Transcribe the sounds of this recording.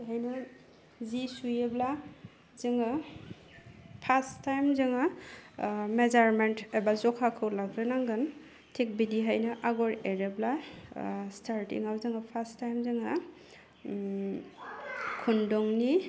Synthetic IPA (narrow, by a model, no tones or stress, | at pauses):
ɦajnɯ | zisujebla | zɯŋa | pʰastajmzɯŋa | mezaɾmentebazɔkʰakʰɯwlaɡɾɯnaŋɡɯn | tʰek̚bidiɦajnɯʔaɡɔɾeɾebla | stʰaɾtḭŋawzɯŋapʰastajmzɯŋa | kʰundɔŋni